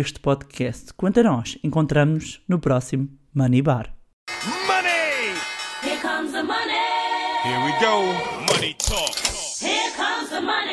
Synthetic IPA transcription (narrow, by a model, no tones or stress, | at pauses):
eʃt̪pɔðkʰɛst̪kwɐ̃nt̪ɐnɔʃẽŋkõnt̪ɾɐmnuʃnupɾɔsimumɐniβaɾ | mʌni | hikʰʌ̃mzðəmʌnihiɹwiɡoʊmʌnitʰɔk | hikʰʌ̃mzðəmʌn